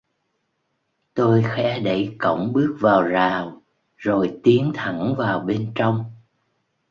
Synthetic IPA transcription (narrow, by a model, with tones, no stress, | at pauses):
t̪o˧jxɛ˧˥ɗə˧˩jkə̰˧˥˨wŋ͡mɓɨ˦˥ək̚vaː˨˩wzaː˨˩w | zo˨˩jt̪i˨˦ənt̪ʰə˧˩nvaː˨˩wɓe˧nt͡ɕɔ˧wŋ͡m